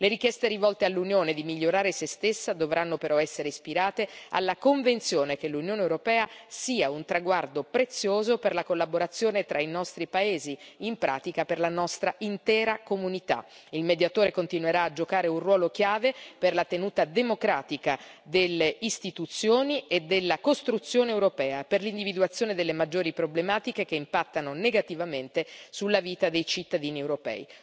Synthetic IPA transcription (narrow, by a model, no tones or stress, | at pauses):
leɾikjɛst̪eɾivɔlt̪ealːunjoːned̪imiʎːoɾaːɾesest̪esːad̪ovɾʔanːopeɾʔɔɛsːeɾeispiɾaːt̪ea̰lːakoɱvent̪sjoːnekelːunjoːnewɾopɛːasiːaunt̪ɾaɡward̪opɾet̪sːjoːzoperlakolːaboɾat̪sːjoːnet̪ɾʔainɔst̪ɾipaeːziimpɾʔa̰ːt̪ikaperlanɔst̪ɾaʔint̪ɛːɾakomunit̪a̰ilmed̪jat̪oːɾekont̪inuweɾaːd͡ʒokaːɾeunrwɔːlok̟jaːveperlat̪enuːt̪ad̪emokɾaːt̪ikad̪elːeist̪it̪ut̪sːjoːnied̪ːelːakost̪ɾut̪sːjoːneːwɾopɛːaperlind̪ivid̪uat̪sːjoːned̪elːemad͡ʒːoːɾipɾoblemaːt̪ikek̟eimpat̪ːanoneɡat̪ivament̪esulːaviːt̪ad̪ejt͡ʃit̪ːad̪iːniewɾopɛ̰ːi